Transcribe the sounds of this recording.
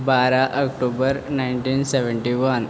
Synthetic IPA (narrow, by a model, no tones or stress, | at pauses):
baːɾaʔɐkʈuːbɐɾnajnʈiːnseʋeɳʈiʋɐn